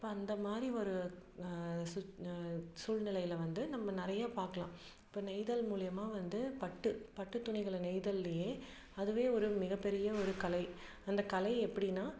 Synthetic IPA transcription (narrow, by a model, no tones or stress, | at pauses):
ɪpːoːɐnd̪ɐmaːd̪ɾiɔɾɯ | s | suːlnɪlɐɪjɪlʋɐnd̪ɯnɐmːɐnɪɾɐjaːpaːɾkɐlãː | ɪpːoːnɛɪðɐlmuːlɪjɐmaːʋɐnd̪ɯpɐʈːɯpɐʈːɯt̪ːʊɳɪɣɐɭnɛɪðɐlːɐjeː | ɐðɯʋeːɔɾɯmɪɣɐpːɛɾɪjɐɔɾɯkɐlɐɪ | ɐnd̪ɐkɐlɐɪɛpːɐɽɪnaː